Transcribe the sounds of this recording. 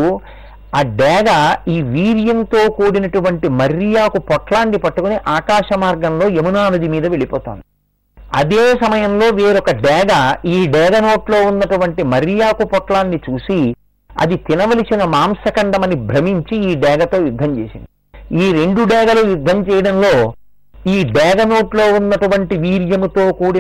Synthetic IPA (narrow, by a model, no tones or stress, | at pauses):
aːɖɛːɡɐiːʋiːɾijɐnt̪o̞ːkoːɽinɐʈuʋɐɳʈimɐɾjaːkupɔʈlaːnːipɐʈːukuniʔaːkaːʃɐmaːɾɡɐmlo̞ːemunaːlɐd̪imiːd̪ɐʋe̞ɭipɔːt̪oːnd̪i | ɐd̪eːsɐmɐjɐmlo̞ːʋeːɾɔkɐɖɛːɡɐiːɖɛːɡɐno̞ːʈlo̞ːunːɐʈuʋɐɳʈimɐɾjaːkupɔʈlaːnːit͡ʃuːsi | ɐ̰d̪it̪inɐʋɐlisinɐmaːmsɐkɐɳɖɐmɐnibʱɾɐmiɲt͡ʃiiːɖɛːɡɐt̪o̞ːjud̪ʱːɐmt͡ʃeːsḭnd̪iiːɾe̞ɳɖuɖɛːɡɐlujud̪ʱːɐmt͡ʃɛːjɐɽɐmlo̞ː | iːɖɛːɡɐno̞ːʈlo̞ːunːɐʈuʋɐɳʈiʋiːɾjɐmut̪oːkuːɽi